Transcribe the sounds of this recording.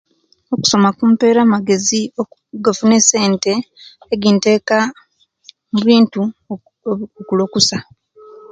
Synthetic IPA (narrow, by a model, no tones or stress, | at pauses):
o̞ku̥so̞makuːmpe̞ːɾamaɡe̞zio | ɡafune̞se̞ːnte̞ː | ɡinte̞ːka | muβiːntu | okulo̞kusa